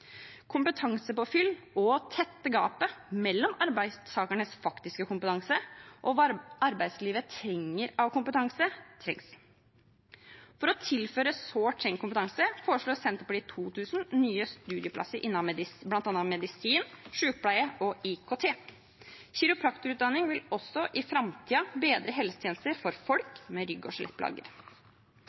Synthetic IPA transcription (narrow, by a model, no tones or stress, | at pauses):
kʰʊmpət̪ʰɑŋsəpɔfʏlː | ɔt̪ʰɛt̪ːəɡɑ̰ːpəmɛlːɔmɑɾbæɪsʰɑːkæɳəsfɑkt̪ɪskəkʊmpət̪ʰɑŋsəʔɔɑɾbæɪd̪sliːʋət̪ʰɾɛŋːəɾɑʋkʰʊmpət̪ʰɑŋsət̪ʰɾɛŋs | fɔɾɔt̪ʰɪlføːɾəsoːʈʰɾɛŋkʊmpət̪ʰɑŋsəfoːɾəʂɭoːɾsɛnt̪əplɪt̪ʰuːt̪ʰʉːsn̩nyːəst̪ʉːd̪ɪəpʰlɑ̰səɾʔɪnːɑblɑnt̪ɑnəmɛd̪ɪsiːnʂʉːk̚plæɪəʔɔɪkʰoːt̪ʰeː | çɪɾʊpʰɾɑkt̪ʊɾʉːt̪̚d̪ɑnːɪŋʋɪlɔsːɔʔɪfɾɑmt̪ʰiːɑbeːd̪ɾəɦɛlsə̥t̪ʰeːnst̪əɾfɔɾfɔlkmɛɾʏɡɔʂlɛ̰t̪̚pʰlɑ̰ːɡə̰ɾ